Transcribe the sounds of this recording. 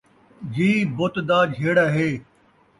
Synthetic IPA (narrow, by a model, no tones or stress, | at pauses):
d͡ʑiːbʊt̪d̪aːd͡ʒʱeːɽaɦeː